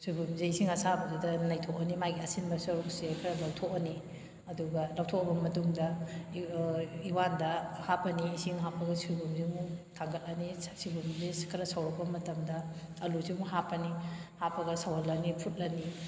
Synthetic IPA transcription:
sujbumzeisiŋɐsabɐzidɐnɐjtʰokɐnimajɡiɐsinbɐsɐɾuk̚sekʰɐɾɐlɐwtʰok̚ɐni | ɐduɡɐlɐwtʰok̚ɐbɐmɐtuŋdɐ | iwandɐhapɐniːsiŋɦapːɐɡɐsubumzimutʰaŋɡɐt̚lɐnisibumzeskʰɐɾɐsawɾɐk̚pɐmɐtɐmdɐː | luzimuɦapɐnihapʰɐɡɐsawɐlːɐnipʰut̚lɐni

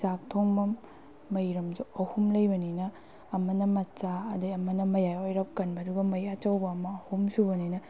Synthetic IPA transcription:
sak̚tʰoŋbɐmː | ɐjɾɐmzuɐhumlɐjbɐninɐː | mɐnɐmɐtt͡ʃaɐdɐɐmɐnɐmɐjajojɾɐp̚kɐnbɐduɡɐmɐjat͡ʃɐwbɐːmɐːhumsubɐninɐ

